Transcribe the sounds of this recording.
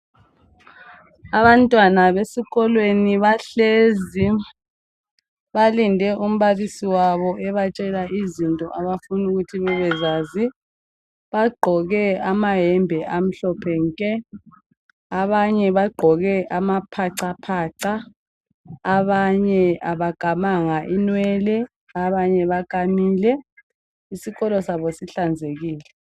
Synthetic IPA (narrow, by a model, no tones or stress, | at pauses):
aβantʼwanaβesiɣɔlweniβaɬezi | βalindʱɛʔum̩βalisiwaβɔʔɛβat͡ʃʼɛlaizintʼɔʔaβafunuɣutʰiβɛβɛzaːzi | βaɡ͡ǃʱɔɣɛamaɦɛmbʱɛʔam̩ɬɔpʰɛŋkʼɛ | aβaɲɛβaɡ͡ǃʱɔɣɛʔamapʰaǀapʰaːǀa | βaɲɛaβaɡ̥ʱamaŋaʔinwɛːlɛ | aβaɲɛβakʼamiːlɛ | isiɣɔlɔsaβɔsiɬand͡zʱeɣiːlɛ